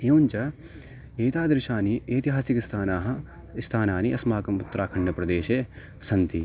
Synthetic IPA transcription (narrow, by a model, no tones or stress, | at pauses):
eːnt͡ʃɐ | eːt̪aːd̪ɾɪʃaːnieːt̪iɦaːsikist̪ʰaːnaːɦɐ̆ | st̪ʰaːnaːniʔɐsmaːkɐmut̪ːɐɾaːkʰɐɳɖɐpɾɐd̪eːʃeː | sɐnt̪i